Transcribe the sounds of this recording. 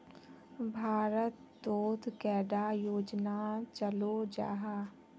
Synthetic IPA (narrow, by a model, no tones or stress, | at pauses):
bʱaːɾət̪d̪oːt̪kɛːɖajoːd͡ʒnat͡ʃəlod͡ʒa̰ːɦaː